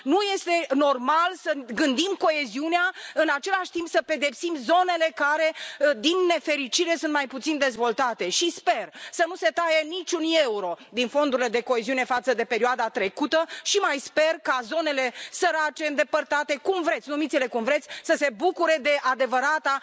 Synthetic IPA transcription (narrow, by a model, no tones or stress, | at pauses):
nuje̞st̪e̞no̞rmalsəɡɨnd̪imko̞eziuneaɨnat͡ʃe̞laʃt̪impsəpe̞d̪e̞psimzo̞ne̞le̞kaɾe̞d̪inːe̞fe̞ɾit͡ʃiɾe̞sunt̪̚majput̪sind̪e̞zvo̞lt̪at̪e̞ʃispe̞rsənuse̞t̪ajenit͡ʃʲunje̞uɾo̞d̪info̞nd̪uɾiled̪e̞ko̞e̞ziune̞fat̪səd̪e̞pe̞ɾioad̪at̪ɾe̞kut̪əʃimajspe̞rkazo̞ne̞le̞səɾat͡ʃe̞ɨnd̪e̞pərt̪at̪e̞kumvɾe̞t̪sʲnumit̪sile̞kumvɾet̪sʲsəse̞bukuɾe̞d̪e̞ʔad̪e̞vəɾat̪a